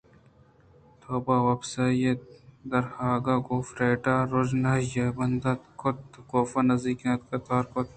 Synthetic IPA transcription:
t̪ʰoːbaːwɐbsaːjed̪ɐɾhaːɡaɡoːfɾeːʈaːɾʊd͡ʒnɐjebɐnd̪ɐt̪kʰʊt̪̚koːfanɐziːkãːt̪kat̪aːɾkʊt̪̚

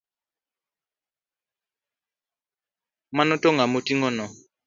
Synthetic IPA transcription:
manɔtɔŋamotiŋɔnɔ

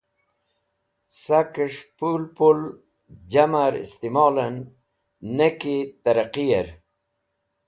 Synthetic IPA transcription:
sakəʂpulpul | d͡ʑamaɾḭst̪imɑːlənː | ekit̪aɾaqijeɾ

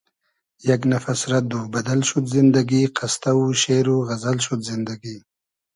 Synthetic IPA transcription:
jaɡnafasɾad̪ubad̪alʃud̪zɪnd̪aɡiqast̪awuʃeɾuɣazalʃud̪zɪnd̪aɡi

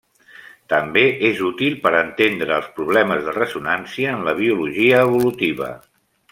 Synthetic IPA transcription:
t̪əmbeezut̪ilˠpəɾənt̪end̪ɾəːlˠspɾuβ̞lɛməzðərəsunansiəːnləβ̞iuluʒiəːβ̞ulut̪iβə̰

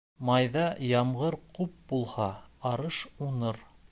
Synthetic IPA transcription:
mɑjðɑjɑmʁɤɾqup̚bulˠhɑɑɾɤʃunɤɾ

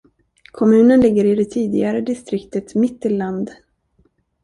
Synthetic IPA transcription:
kʰɔmʉ̟ːnənlɪɡːəɾɪd̪ɛt̪ʰiːd̪ɪɡaɾəd̪ɪst̪ɾɪkt̪ət̪mɪt̪ːɪlːand̪

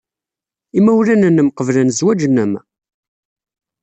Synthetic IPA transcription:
imːæwlænənːəmqəvlænzwæd͡ʒnəm

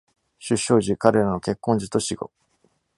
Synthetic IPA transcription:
ɕɨɕːo̞ːʑikaɾe̞ɾano̞ke̞kːõ̞ɲ̟d͡ʑit̪o̞ɕiɡo̞̰

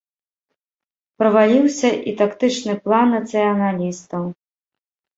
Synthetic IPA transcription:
pɾɐvalʲiwsʲɐʔit̪akt̪ɨt͡ʂnɨplˠanːɐt̪sɨjɐnalʲist̪ɐw

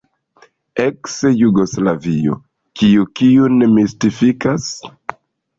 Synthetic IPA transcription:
eksejuɡo̞slavio̰ | kiukiunemistifikas

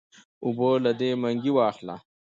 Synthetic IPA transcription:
ʊbolad̪emaŋɡiwɑːxla̰

